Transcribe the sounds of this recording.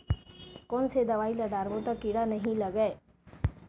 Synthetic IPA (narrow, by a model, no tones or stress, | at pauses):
koːnsed̪ɐʋaːjlɐd̪aːɾbut̪akiɽanɐɦĩlɐɡe